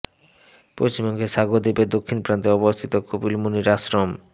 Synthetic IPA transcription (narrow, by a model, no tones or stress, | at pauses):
pɾost͡ɕimɔŋɡeʃaɡod̪iped̪okʰːinpɾant̪eɔbost̪ʰit̪okobilmuniɾasɾom